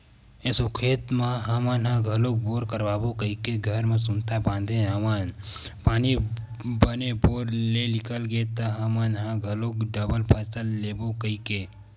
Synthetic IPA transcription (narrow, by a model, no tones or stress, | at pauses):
ẽsʊkʰeːt̪maɦamaːnɦãɡʱəloːk̚boːɾkəɾbaːbokəikeɡʱəɾmẽsʊnt̪abãːnd̪ʱẽɦəmaːnpaːni | bəneboːɾlelɪkʰəlɡeːt̪aɦamanɦãɡʱəloːkɖəbəlpʰətəlːeːbokəike